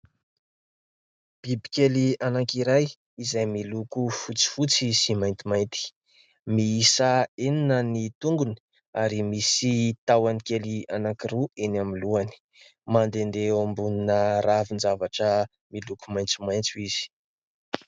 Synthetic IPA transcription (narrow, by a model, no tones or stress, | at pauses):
b̥ibi̥kelianakiɾaj | izajmilukufut͡si̥fut͡sisimajnt̪imajnt̪i̥ | miisəeninənit̪uŋɡuni̥ | aɾimisit̪awanikelianakiɾuenamiluani̥ | mand̪end̪eombuninəɾavinzavaʈ͡ʂə | milukumajnt͡sumajnt͡suiz̥i̥